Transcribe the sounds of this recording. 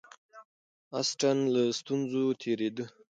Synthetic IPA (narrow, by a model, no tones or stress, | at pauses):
asʈanlast̪unzot̪ʰeɾed̪ə